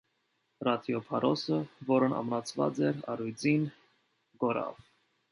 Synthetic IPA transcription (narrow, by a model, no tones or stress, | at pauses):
rɑt̪ʰjɔpʰɑɾʔɔsəvɔɾənɑ̰mnɑt͡sʰvɑ̰t͡sɛɾɑɾujd͡zin | ɡɔɾɑ̰v